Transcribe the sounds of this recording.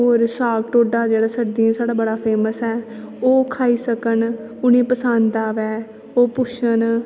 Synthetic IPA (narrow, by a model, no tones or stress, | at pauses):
ɦoːɾsaːɡʈoːɖaːd͡ʒeːɽaːsəɾd̪iãːsaːɽaːbəɽaːpʰeːməsɛː | oːkʰaːiːsəkən | ʊnẽːpəsand̪aːʋɛː | oːpʊʃən